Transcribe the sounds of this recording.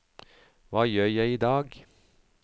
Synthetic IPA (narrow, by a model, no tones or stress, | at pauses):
ʋɑːjøːjæɪiːd̪ɑːɡ